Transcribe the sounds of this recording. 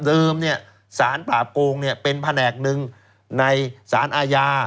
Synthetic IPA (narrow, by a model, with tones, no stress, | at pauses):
dɤː˧mni˥˩ɐ | saː˩˦npaː˨˩koː˧ŋni˥˩əpe˧npʰa˧nɛː˨˩k̚nɯ˧ŋ | na˧jsa̰ː˩˦nʔaː˧jaː˧